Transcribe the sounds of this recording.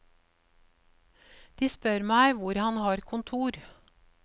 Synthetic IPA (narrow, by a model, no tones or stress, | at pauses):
d̪̥iːspœɾmæɪʋʊɾhɑnhɑːɾkʰʊnt̪ʰuːɾ